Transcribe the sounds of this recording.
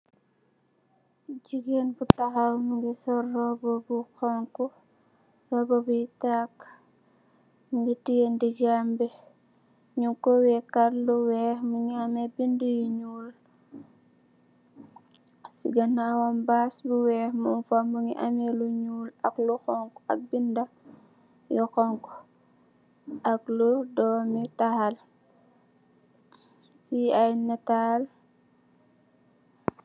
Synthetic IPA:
d͡ʒiɡenbutaɦawmuŋɡɛsɔrːɔbɔbuxɔŋkɔ | rɔbɔbuitak | muŋɡitijendid͡ʒambɛ | ɲuŋkɔwɛkaɾluwɛhmuŋiamɛbindujiɲuːl | sḭɡɐnawɐmbaːsbuwɛːxmunfamuŋiʔɐmɛluɲuːlɐ̰kluxɔŋkɐ̰k̚bindɐ | jɔxɔŋkɔ | ʔɐk̚ludɔːmitahal | jiajnatal

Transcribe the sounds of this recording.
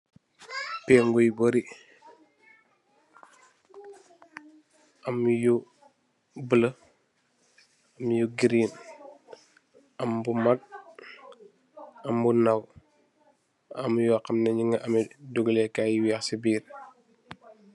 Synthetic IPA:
pɛŋɡujboɾi | ʔɐmju | bələ | ɐmjuɡiɾiːn | ɐmbumɐɡ̚ | ɐmbunɐw | ɐmjɔkɐmnɐɲiŋəʔɐmɛduɡəlɛkaːjiwiɐxsibiːr

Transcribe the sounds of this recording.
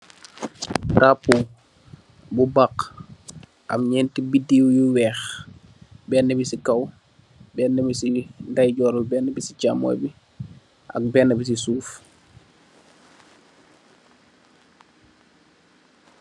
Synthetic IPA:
ɾapːu | bubaq | ʔɐ̰mɲɛːntibidiwjuwɛːx | bɛːnːəbisikɐw | bɛːnːəbisindɐjɟɔːɾulbɛːnːəbisicamɔ̰jbi | ʔɐ̰k̚bɛnːəbis̬isuːf

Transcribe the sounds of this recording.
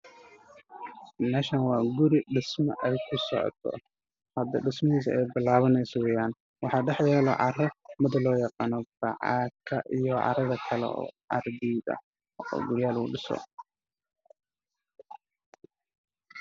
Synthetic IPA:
mɛːʃanwɑːɡʊɾɪɖɪsmɐ̰ʔɛjkʰʊsɔ̰ʕɔ̰t̪ʰɔ̰ | hɐd̪ɐɖɪsmɐɦiːs̬ɐʔɛjbɪlaːβɐnɛjsɔwɛjaːn | wɑħɑːɖɛħjɛːlɔʕɑ̰rɔmɪðɐlɔːjɑqɑːnɔb̥ɑ̰ʕɑ̰ːkʰɐʔijɔʕɑ̰ɾɐðɐkʰɐlɛ̰ɔ̰ːʕɑ̰rd̪iːðɐ̰ | ɔ̰ːɡʊɾjaːlṵːɖɪsɔ̰

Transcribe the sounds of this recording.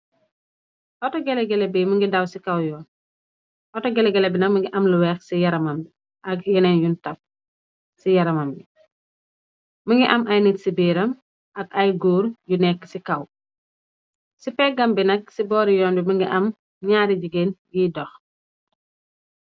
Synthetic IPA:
ʔɔtɔɡɛlɛɡɛlɛbiməŋɡidɐwsikɐwjɔːn | ʔɔtɔɡɛlɛɡɛlɛbinɐk̚məŋɡiʔɐmluwɛːxsijɐɾɐmɐmbi | ʔɐkjɛnɛnjuntɐp̚ | sijɐɾɐmɐmbi | məŋɡiʔɐmʔɐjnətsibiːɾɐm | ɐkɐjɡuːɾjunɛkːsikɐw | sipɛɡɐmbinɐk̚sibɔːɾijɔːnbiməŋɡiʔɐm | ɲaːɾiɟiɡenɡidɔx

